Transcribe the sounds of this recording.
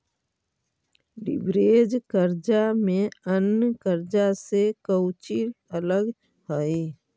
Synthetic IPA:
ɖɪ̰bɾeːd͡ʒkəɾd͡ʒamẽənːkəɾd͡ʒasekəwt͡ʃiələɡ | həi

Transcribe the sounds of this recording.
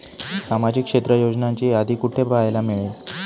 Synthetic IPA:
samad͡ʑikʂet̪ɾəjod͡ʑnaɲt͡ɕiːad̪ʱikuʈʰepajlameɭel

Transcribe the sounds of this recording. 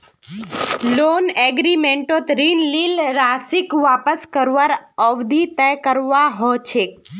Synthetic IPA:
loneɡɾimeɳʈot̪ɾinlilɾasikʋapəskəɾʋaɾəʋd̪ʱit̪əjkəɾʋaɦɔt͡ʃʰe

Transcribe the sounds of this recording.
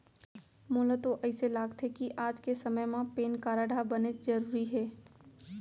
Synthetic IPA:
mʊːlət̪oʔəɪselaːɡt̪ɦekiʔaːd͡ʒkesəməjmãpeːnkaːɾaːɖʱabəned͡ʒəɾuːɾiɦɛː

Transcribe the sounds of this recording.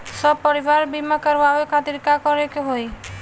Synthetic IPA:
sɔbpɔɾiʋaɾbimakəɾʋaɦojkʰat̪iɾkakɔɾekeɦoj

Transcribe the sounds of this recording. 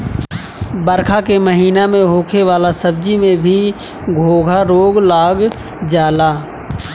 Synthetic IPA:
bəɾkʰakeməɦiːnamẽɦoːkʰeʋaːlasəb̚d͡ʒimẽbʱi | ɡʱoːɡʱaɾoːɡlaːɡ | d͡ʒaːlaː

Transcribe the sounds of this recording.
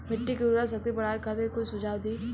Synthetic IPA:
mɪʈːikiɾɾas̬ɐk̚t̪ipɐɽ̤aːjkʰat̪ekʊt͡ʃsʊd͡ʒaːwd̪iː

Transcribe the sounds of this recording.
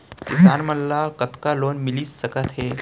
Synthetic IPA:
kɪ̰saːnmɐlːakət̪kaloːnmɪlisəkət̪ɦeː

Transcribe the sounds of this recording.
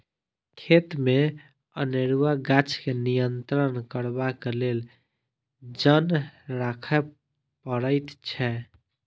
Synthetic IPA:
kʰet̪me | əneɾuwaɡat͡ʃkenijənt̪ɾənkəɾbakelel | d͡ʒənɾakʰɛ | pəɾəɪt̪t͡ʃʰɛ

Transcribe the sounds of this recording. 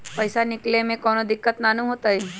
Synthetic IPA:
pɐɪsanɪklemẽkɔːnod̪ɪkːət̪naːnũɦoːt̪aɦɛ

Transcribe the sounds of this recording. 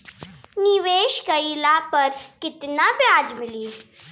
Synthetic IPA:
niʋeːʃkɐilaːpɐɾkɪt̪napjaːd͡ʒmɪliː

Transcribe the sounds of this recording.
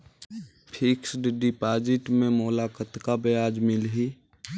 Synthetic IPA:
pʰɪksɖɖɪpaːd͡ʒɪʈmẽmoːlaːkət̪kabəjaːd͡ʒmɪlɦi

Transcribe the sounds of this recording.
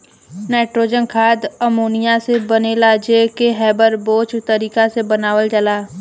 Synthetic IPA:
nɛːʈɾoːd͡ʒənkʰaːd̪əmoːnɪjasebənelad͡ʒeːkeɦɛːbəɾboːt͡ʃt̪əɾiːkasebənaːʋəld͡ʒəlaː

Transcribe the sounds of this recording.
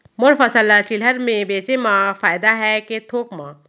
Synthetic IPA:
mʊɾfəsəlːat͡ʃɪlɦəɾmẽbeːt͡ʃemãfaːjd̪aɦɛket̪ʰoːkmãː

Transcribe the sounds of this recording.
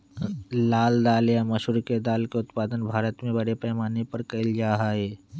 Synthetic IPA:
laːld̪aːljamɐʃuɾked̪aːlkeʊt̪paːd̪ənbʱaːɾət̪mẽbɐɽepɛːmaːnepɐɾkɐɪld͡ʒaːɦaːɦɛː

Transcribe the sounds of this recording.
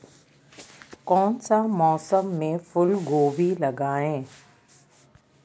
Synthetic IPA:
kɔːnsamɔːsəmːẽfʊlɡoːbilɐɡaːẽː

